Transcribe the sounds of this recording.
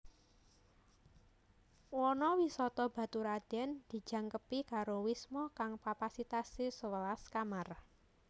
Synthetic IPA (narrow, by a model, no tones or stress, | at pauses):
wɔnɔwisɔt̪ɔb̥a̤t̪uɾad̪̥ɛnd̪̥i̤̥d͡ʒ̥a̤ŋkəpikaɾowismɔkaŋkapasit̪asisəwəlaskamar